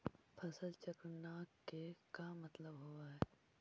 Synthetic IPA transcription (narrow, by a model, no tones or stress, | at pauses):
pʰɐsəlt͡ʃəkɾənaːkːekamɐt̪ləbɦoːaɦɛː